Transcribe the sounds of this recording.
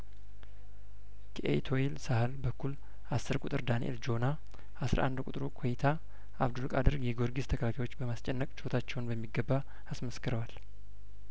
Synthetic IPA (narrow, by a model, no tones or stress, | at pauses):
kʰʔḛt̪ʰo̞jilsahəlbəkːul | asːɨɾkʼut̪ʼɨɾd̪anḭʔḛld͡ʒo̞na | ʔasɾʔa̰nd̪kʷʼut̪ʼɾukʰojit̪ʰa | ʔa̰βd̪ulkʼad̪ɨɾɡjɛɡo̞ɾɡizt̪ʰəkəlakʰajwo̞t͡ʃːbəmast͡ʃʼɛnːəkʼt͡ʃo̞t̪ʰat͡ʃːɛwnbəmːiɡːəbːa | asməskɨɾəwal